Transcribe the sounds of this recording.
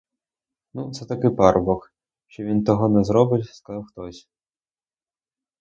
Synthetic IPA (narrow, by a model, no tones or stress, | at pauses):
nut̪sɛt̪ɐkɪpaɾbɔx | ʃt͡ʃɔʋʲint̪ɔɦɔnɛzɾɔbɪwʲskɐzɑwxt̪ɔsʲ